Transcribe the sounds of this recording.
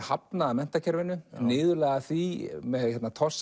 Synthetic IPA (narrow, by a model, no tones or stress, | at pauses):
hapnaðamɛn̥t̪acʰɛɾvɪnːʏnɪːðʏlɛːɣaθvimɛðhɛt̪nat̪ʰɔs